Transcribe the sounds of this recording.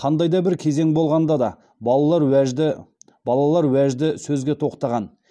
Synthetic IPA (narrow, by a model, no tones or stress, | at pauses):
qʰɑnd̪ɑjd̪ɑbɪɾkʲʰe̞ze̞ŋbo̞lˠʁɑnd̪ɑd̪ɑ | bɑɑlˠɑɾʒɪ | bɑlˠɑlˠɑɾwæʒd̪ɪsɵzɡʲe̞t̪ʰo̞qt̪ɑʁɑn